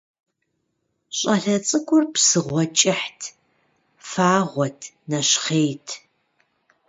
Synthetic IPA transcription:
ɕʼɐɬɐt͡sʼɨkʷʊrpsɨʁʷɔt͡ʃʼɪħtʰ | faːʁʷɔtʰ | nɐɕχeːjtʰ

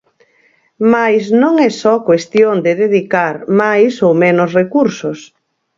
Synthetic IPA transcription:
majznõŋɛsɔkwest̪jond̪ɪðeðikaɾmajsowmenosrekuɾsʊs

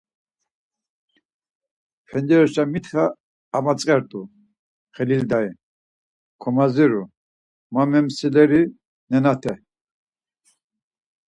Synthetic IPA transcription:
pʰɛnd͡ʒɛɾɔʃamit̪ʰχaː | mat͡sʼqʼɛɾt̪ʼu | χɛlild̪ai | kʰɔmaziɾu | mamɛmsilɛɾi | nɛnat̪ʰɛ

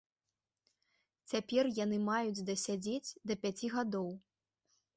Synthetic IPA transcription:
t͡sʲapʲɛrjanɨmajud͡zʲd̪ɐsʲad͡zʲed͡zʲd̪ɐpʲat͡sʲiɣad̪ɔw

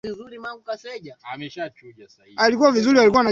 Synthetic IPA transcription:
vizuɾimaŋɡukasɛʄaamɛʃat͡ʃuasaialikuwavizuɾialikuwana

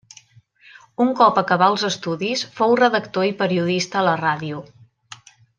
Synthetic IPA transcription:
uŋkɔpəkəβaəlˠzəst̪uðisfowrəðəkt̪oipəɾiuðist̪əːləraðiu

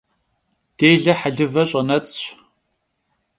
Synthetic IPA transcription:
d̥eːɮɐħaɮɨvɐɕʼɐnɐt͡sʼɕ

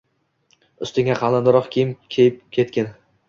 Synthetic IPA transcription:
ʊst̪ɪŋʲaqʰɑlˠand̪ɪɾɒqkʲʰejɪmkʲʰejɪp̚kʲʰe̞t̪kʲɪn

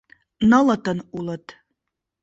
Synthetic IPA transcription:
nɤlə̆t̪ənulˠə̆t̪

